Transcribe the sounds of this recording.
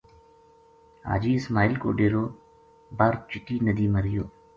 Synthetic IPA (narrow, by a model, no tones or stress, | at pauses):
a̰ːd͡ʒiːɪsmaːɪlko̰ːɖeːɾoː | baːɾt͡ʃɪʈiːnəd̪iːməɾɪjoː